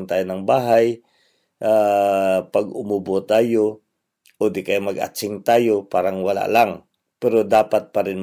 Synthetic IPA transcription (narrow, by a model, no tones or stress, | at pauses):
nt̪aːjonɐŋbaːɦaj | ʔa | paɡʊmʊbot̪aːjo | ʔod̪ɪkajmɐɡʔa̰t͡ʃɪŋt̪aːjopaːɾaŋwɐla̰ʔlaŋ | pɛɾod̪aːpat̪̚pɐɾɪn